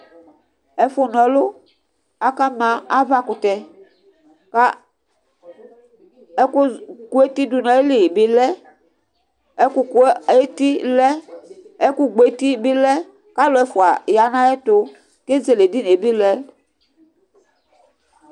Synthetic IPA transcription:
ɛ˨fʊ˨nɔ̃˨˦lʊ˦ | a˨ka˦mã˨a˦va˦kʊ˨t̪ɛ˨ | k | ku˦ku˦e˦t̪i˦du˨nɔ̃˨e˦li˨bi˨˦lɛ˦ | ɛ˦ku˨ke˦ti˦lɛ˦ɛ˦ku˦ɡ͡be˨˦t̪i˦bi˦lɛ˦ | ka˦lo˨˦ɛ˨fʊ˨a˨ja˨nã˦ɛ˦t̪ʊ˨ | ke˦ze˨le˨di˦ne˨bi˦lɛ˦

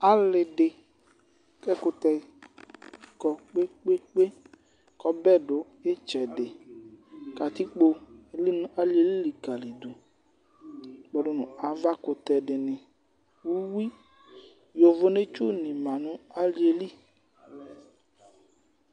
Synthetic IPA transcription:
a˨lɪ˨ɖɪ˨ | kɛ˦kʊ˧t̪ɛ˧ | kɔ˨k͡pe˦k͡pe˦k͡pe˦ | kɔ˦bɛ˦˨ɖʊ˨˦ | e˦t͡ʃɛ˨dɪ˨ | ka˨t̪i˦k͡po˧˦li˦n˦a˨li˦e˦li˦li˨ka˨li˨d̪u˨ | k͡pɔ˨dʊ˦nũ˨a˨va˦kʊ˨t̪ɛ˨ɖɪ˨nɪ̃˨ | wu˦wi˦ | jo˨vʊ˨ne˦t͡ʃu˦nĩ˨mã˨nũ˦a˦li˦e˨li˦

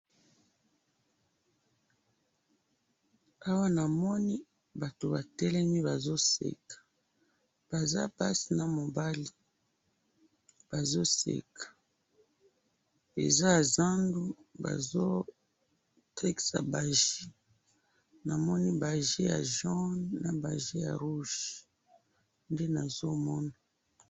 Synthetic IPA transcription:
a˦wa˦na˨mɔ˦ni˦ | ba˨to˨ba˨tɛ˦lɛ˦mi˦ba˨zo˦sḛ˨kḁ˨ | b̥a˨za̰˦pa˦si˨na˨mo˨ba˦li˨ | b̥a˨zo˦sḛ˨kḁ˨ | ḛ˨za˦˨za˦ndu˦ba̰˨zo˦ | tʰɛ˦ksa̰˨ba˨ʒi˦ | na˨mɔ˦ni˦ba˨ʒe˦ja̰˨ʒɔ˦nna˨ba˨ʒe˦ja̰˨ʁu˦ʃ | nde˦na˨zo˦mɔ˦na˨

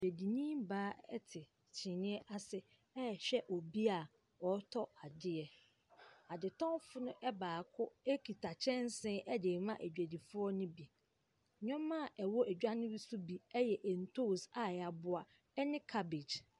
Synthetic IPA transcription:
e˨æ˨di˨nĩ˦mbaː˦ɛ̰˦tʰɪ˨ | t͡ɕʰɪ̃˨nɪ̃˦ɛ˦ʔa˦sɪ˦ | ɛ˦˨ɕᶣɛ˦ʔɔ˨bi˦a˨ | ɔ˨˦tʰɔ˦a˨dɪ˦ɛ˨ | a˨dɪ˨tʰɔ̃˦fʊ˦nʊ̃˦ʔɛ˦baː˨kʰʊ˦e˦kʰi˨tʰa˨t͡ɕʰɛ̃˦n˦sɪ̃˦ʔɛ˦de˨mã˦ʔæ˨d͡ʑᶣæ˨di˨fʊ˦ɔ˦nʊ̃˦bi˨ | ɲᶣɔ̃˦mːã˦˨ʔɛ˨wɔ˦ʔæ˨d͡ʑᶣa˦nɪ̃˦ɾi˦su˦bi˨ɛ˦jɛ˨ʔɛ˨n̩˨tʰo˦˨sa˨a˨bʊ˦a˨ | ɛ˦nɪ̃˦kʰa˦be˨d͡ʑ

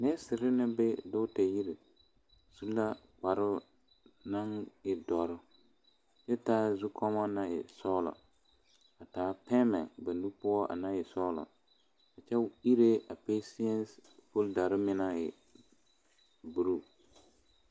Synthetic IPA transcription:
nɛ˦sɪ˨ɾɪ˦nɪ˦bɪ˦dʊ˦tɛ˨ji˦ɾɪ˨ | su˦la˦ | k͡pa˨ɾɪ˦ | na˦ŋɪ˨dɔ˨ɾɪ˦ | t͡ʃɛ˦taː˦zu˦kʰɔ˦ma˦na˦ɪ̰˨sɔː˦lɔ̰˨ | a˨taː˨˦pɛ˦mɛ̰˨ba˨nu˦pʊ˦ɔ˦ʔa̰˨na˦jɛ˨sɔ˦lɔ̰˨ | ka˨t͡ʃɛ˦i˦ɾe˦a˨pe˦si˦ɛ˦nspo˦lda˨ɾɪ˦mɪ˦na˦ɪ˨ | bu˨ɾu˦

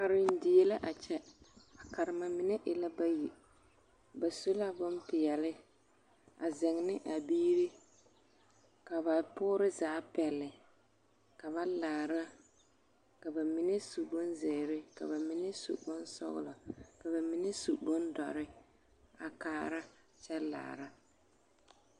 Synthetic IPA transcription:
a˨ɾɪ˨n˦dɪ˨jɛ˦la˦ʔa˨t͡ʃɛ˦a˨ka˨ɾɪ˨ma˨mɪ˨nɛ˦ʔɪ˨la˦ba˦ji˨ | ba˨so˦la˦bʊ˦npɪ˨jɛ˨lɪ˦ | a˨zɛ˨ŋnɪ˦ʔa˨biː˦ɾi˦ | ka˨βa˨pʊː˦ɾɪ˦zaː˨˦pɛ˨lːɪ˨ | ka˨βa˦laː˨ɾa˦ | ka˨ba˨mɪ˨nɛ˦su˨bʊ˦nzɪ˨ɾɪ˦ka̰˨βa˨mɪ˨˦nɛ˦sṵ˨bʊ˦nsɔ̰˦ɣʊ̰˦la˨ka˨ba˨mɪ˨˦nɛ˦su˨bʊ˦ndɔ̰˨ɾɪ˦ | a˨kaː˦ɾa˦ | t͡ʃɛ˦la̰ː˨ɾa˦

